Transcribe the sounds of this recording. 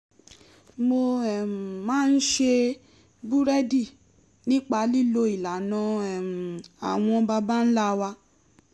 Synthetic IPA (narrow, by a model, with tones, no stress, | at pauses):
mo˧ɛ˨m˨mãː˦n̩˦ʃe˧ | bu˦ɾɛ˦di˦˨ | nĩ˦k͡pa˧˦li˦˨lo˧i˨la˨nã˧ɛ˨m̩˨a̰˨w̃ɔ̃˧ba˧ba˦n̩˦la˦˧wa˧